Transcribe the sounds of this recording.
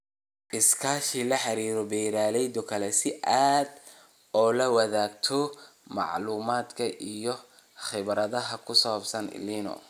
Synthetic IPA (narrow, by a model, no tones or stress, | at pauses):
ʔɪskʰaːʃilɐħɑɾiːɾɔbɛjɾaːlɛjd̪ɔkʰɐlɛsɪʔaːd̪ | ɔːlɐwɑðaːɡ̚t̪ʰɔ | mɑ̰ʕluːmaːd̪kʰɐʔijɔ | χɪβɾɐðɐɦɐkʰʊsɔːbsɐn̰liːnɔ̰